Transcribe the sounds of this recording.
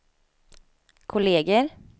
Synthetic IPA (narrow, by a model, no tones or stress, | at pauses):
kʰʊleːɡəɾ